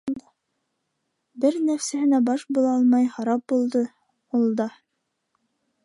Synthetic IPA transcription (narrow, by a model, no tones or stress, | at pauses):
bɘɾnæfsæhɘ̆næbɑʃbulˠɑɑlˠmɑjhɑɾɑp̚bulˠd̪ɤ | ulˠd̪ɑ